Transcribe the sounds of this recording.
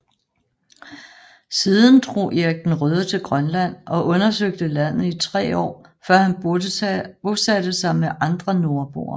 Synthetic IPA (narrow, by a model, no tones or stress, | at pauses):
siːðˠn̩d̥ʁo̝̰ːjeɐɡ̥̚d̥n̩ʁœð̞ˠət͡sʰe̝lɡ̥ʁɶnlæn̰ʔɒ̽ʔɔ̽nɐsøɡ̥̚d̥əlæn̰ð̩ˠit͡sʰʁɛ̰ːɒ̰ːfɶɐ̰hæn | bosædəsɑ̈ɪmeʔɑ̈nd̥ʁɐno̝ɐb̥o̝̰ːɐ